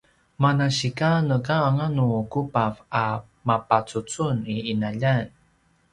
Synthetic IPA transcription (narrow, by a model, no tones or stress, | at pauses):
manaɕikanəkaːŋanukupava | mapat͡sut͡suniinaʎan